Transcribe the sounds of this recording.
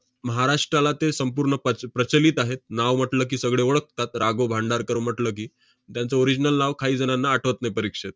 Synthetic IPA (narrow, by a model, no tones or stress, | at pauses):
məɦaɾaʂʈɾalat̪esəmpuːɾɳəpəpɾət͡ɕəliːt̪aɦet̪̚naʋm̤əʈləːk̬iːsəɡɭeoɭək̚t̪at̪ɾaɡobʱaɳɖaɾkəɾʋm̤əʈləːk̬iː | t̪jant͡səoɾid͡ʑnəlnaʋkʰaɦiːd͡zənanːaːʈʰʋət̪najpəɾikʂet̪̚